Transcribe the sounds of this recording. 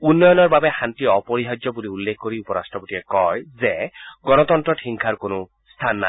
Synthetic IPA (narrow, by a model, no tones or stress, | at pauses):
unːɔjɔnɔɹbabɛxantiɔpoɹiɦad͡ʒɔbuliulːekʰkoɹiupɔɹa̰stɹɔpotiɛkɔjzɛɡɔnɔt̪ɔntɹɔʈʰiŋkʰaɹkonʊ | st̪ʰanːa̰